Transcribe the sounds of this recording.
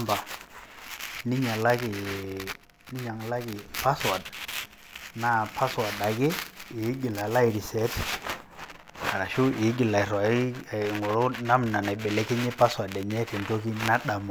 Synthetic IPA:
mba˨ | ni˦ɲa˨la˦kɪ˨ | ni˦ɲa˨ŋ˦la˦kɪ˨pa˦swa˨d̚ | na˦pa˦swa˨da˨kɪ˦ɪ˨˦ɡɪ˨la˨la˦i˨ɾi˨sɛ˨˦t | a˨ɾa˨ʃʊ˦ɪ˨˦ɡɪ˨la˨ɪ˨ɾa˨ɪ˦˨ŋɔ˨lʊ˦na˦mna˨na˨bɛ˨lɛ˦kɪ˦ɲɪ˦pa˦swa˨dɛ˨ɲɛ˦tɛ˨n˨to˦ki˦na˦ɗa˨mɔ˨

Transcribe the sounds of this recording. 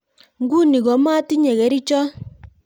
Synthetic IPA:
ŋɡu˦ni˨ɣɔ˨˦ma˦ti˦ɲɛ˨ɣɛ˨ɾi˦t͡ʃɔ˦

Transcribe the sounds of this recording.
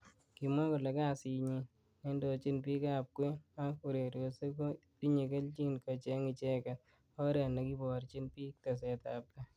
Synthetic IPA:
ki˨mwa˦kʊ˨le˨ka˦si˨˧ɲi˧ | nɛ˦ndo˧t͡ʃi˦npi˦ka˦p̚kwe˦a˦ku˨ɾe˨ɾo˨se˦ko˦ti˦ɲi˨ke˦lt͡ʃi˦nkɔ˨t͡ʃe˦ŋɪ˨t͡ʃɛ˦ka˨t | ɔ˦ɾɛ˨na˨ki˦bɔ˨ɾt͡ʃi˦npi˦k̚ta˨s̬ɛ˨ta˨p̚le˦

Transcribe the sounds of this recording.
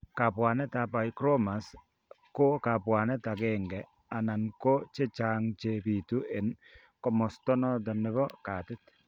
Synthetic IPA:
ka˨pwa˨nɛ˦ta˨pa˨jkɾo˦ma˨s | ko˦ka˨pwa˨nɛ˦ta˨kɛ˦ŋɡɛ˨ | a˨na˨nko˦t͡ʃe˦t͡ʃa˦ŋt͡ʃe˨bi˨tu˦e˨n | kɔ˦mɔ˨stɔ˦nɔ˦dɔ˨nɪ˦βɔ˦ka˨tɪ˦t

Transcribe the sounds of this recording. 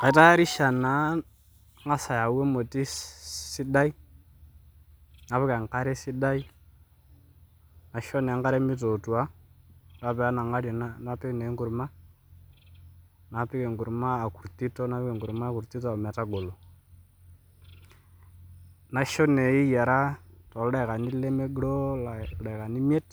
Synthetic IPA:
ka˨i˨ta˦ɾi˦ʃa˨na˨˦ | ŋa˦sa˨ja˨wɛ˦mo˨ti˦si˦ɗa˦i˦ | ŋa˦pɛ˦ka˨ŋ˨ka˦ɾɛ˦si˦ɗa˦i˦ | na˨ʃɔ˦nɛ˨a˨˦ŋɡa˦ɾɛ˦mi˦tɔ˨twa˦da˦pɛ˨a˦na˨ŋa˦ɾɔ˨na˦na˦pɛ˦knɛ˨˦ŋɡu˨ɾma˦ | na˨pɪ˦kɛ˨ŋɡu˨ɾmaː˦˨ku˨ɾti˦tɔ˦na˦pkɛ˨ŋɡʊ˨ɾma˦ku˨ɾti˦tɔ˦a˨mɛ˨ta˦ɡo˨lo˨ | na˦ʃɔ˦nɛ˨i˦ja˨ɾa˦tɔ˨ldɛ˦˨ka˨ni˦le˦me˦ɡlɔ˦la˨˦dɛ˨ka˨ni˦mje˦t

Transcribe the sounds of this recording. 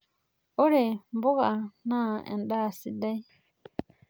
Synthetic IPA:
ʔɔ˦ɾɛ˨mbɔ˦ɡa˨naː˦ɛ̰˨nɗaː˦si˦da˦j

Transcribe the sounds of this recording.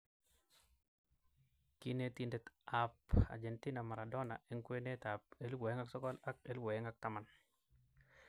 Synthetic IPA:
ki˦ne˦ti˦nde˨t̪apa̰˨d͡ʒe˨nti˦na˨ma˨ɾa˨dɔ˦na̰˨e˦ŋkwe˦ne˦ta˨pe˦lwɔ˨e˦ŋa˦ksɔ˦kɔ˦la˦k̚e˦lwɔ˨ɛ˦ŋa˨k̚ta˦ma˨n

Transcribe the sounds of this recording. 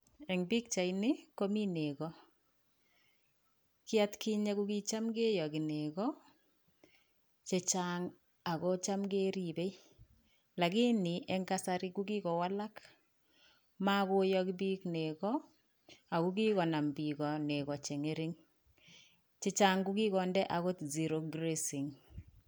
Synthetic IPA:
ɛ˨ŋbi˦k̚t͡ʃa˨jnɪ˦ko˦mi˦ne˨kɔ˦ | kɪ˦a˦tki˦ɲe˦ku˦ki˦t͡ʃa˦mɡe˦jɔ˨ki˨ne˨kɔ˦ | t͡ʃe˨t͡ʃaŋ | a˨kɔ˦t͡ʃa˦mɡe˦ɾi˨be˦j | la˨ɡi˦ni˨ʔɛ˦ŋɡa˦sa˦ɾi˦ɡuɡi˦kɔ˨wa˦la˦k | ma˦ko˦jɔkibi˦kne˨ɣɔ˦ | a˨ku˦ɡi˦ɣɔ˨na˨mbi˨ɣɔ˨ne˨ɣɔ˨t͡ʃe˨ŋe˦ɾi˦ŋ | t͡ʃe˦t͡ʃa˦ŋɡu˦ɡi˦ɣɔ˨ndɛ˦ʔa˨ɣo˦tzi˨ɾo˨ɡɾesi˨ŋ

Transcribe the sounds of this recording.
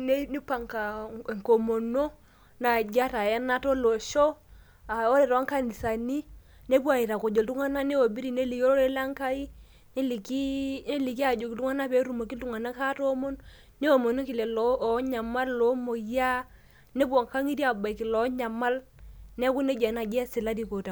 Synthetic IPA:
ne˦ni˦pa˨ŋka˨ŋko˨mo˨no˦ | na˨d͡ʒa˦ta˨jɛ˦na˦tɔ˦lo˨ʃɔ˦ | a˨o˦lɛ˨ɾɔ˨a˦ŋka˦ni˨sa˨ni˦ | ne˦pwa˨i˨ɾa˨ko˨d͡ʒo˨ltu˦ŋa˦na˦ne˦wo˨bi˦ɾi˨ne˦li˨jo˦ɔ˦ɾe˦la˦ŋka˦i˦ | ne˦li˨ki˦ne˦li˨ki˦a˨d͡ʒo˨ki˨tu˦ŋa˦na˦pe˨˦ɾu˨mo˨ki˦ltu˦ŋa˨na˦ka˦to˦mo˦n | ne˦wo˨mo˨no˦ki˨lɛ˨lɲa˨ma˦llɔ˨˦mo˨ja˦ | ne˦bwɔ˨ŋka˦ŋi˦ti˦a˨ba˨i˨ki˨lɔ˨˦ɲa˨ma˦lnɛ˦ku˦ne˦d͡ʒa˨na˨d͡ʒɛ˦si˨la˦di˦˨ko˨ta˨

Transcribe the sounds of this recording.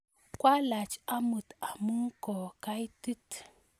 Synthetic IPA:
kwa˦la˨t͡ʃa˦mɨ˨t̪a˨mu˦ŋko˨ka˦jtɨ˦t̪

